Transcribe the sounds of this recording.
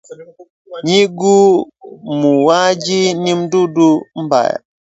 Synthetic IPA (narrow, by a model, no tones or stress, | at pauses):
ɲiɡu | muwad͡ʒinimdudum̩ba̰j